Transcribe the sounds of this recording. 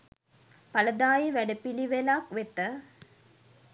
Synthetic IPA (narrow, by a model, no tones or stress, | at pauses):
paləd̪aːjiʋæɖəpiliʋelakʋet̪ə